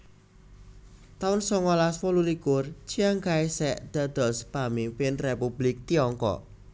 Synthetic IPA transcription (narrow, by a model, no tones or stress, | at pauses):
t̪aʊnsɔŋɔlaswɔlulikʊrt͡ʃiaŋkaesɛʔd̪̥a̤d̪̥ɔ̤spamimpɪnrepublɪk̚t̪iɔŋkɔ̰ʔ